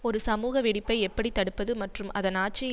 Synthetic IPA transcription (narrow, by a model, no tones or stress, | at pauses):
ɔɾɯsɐmuːɣɐʋɪɽɪpːɐɪɛpːɐɽit̪ːɐɽɯpːɐðɯmɐʈrɯmɐðɐnaːʈ̚t͡ʃːɪ